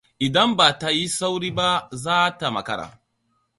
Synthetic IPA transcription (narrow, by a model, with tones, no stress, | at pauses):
ʔɪ˨dɐ˦mba˨ta˦ji˦sa˦wɾiː˦ba˦zaː˦ta˨mɐ̰˨kɐ˦ɾa̰ː˨